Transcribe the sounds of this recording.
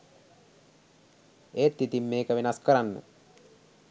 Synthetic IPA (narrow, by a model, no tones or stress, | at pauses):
eːt̪ːit̪imːeːkəʋenaskəɾanːə̰